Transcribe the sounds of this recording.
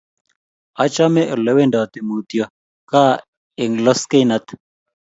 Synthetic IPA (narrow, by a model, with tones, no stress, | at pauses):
a˨t͡ʃa˦mɛ˦ʔlɛ˦wɛ˦nda˨t̪e˨mu˨t̪i˨a˦ | ka˦ | ɛ˨ŋlɔ˦ske˦na˦t̪